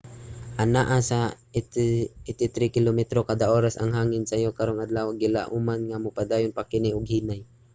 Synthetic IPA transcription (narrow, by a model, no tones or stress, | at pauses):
ʔanaʔasa | ɪt̪ɪt̪ɾikɪlomɛt̪ɾokad̪aʔoːɾasa̰ŋɦaːŋɪnsajokaɾoŋʔad̪lawaɡɪla̰ʔʊmanŋamʊpad̪aːjʊnpakɪnɪʔʊɡ̚hiːnaj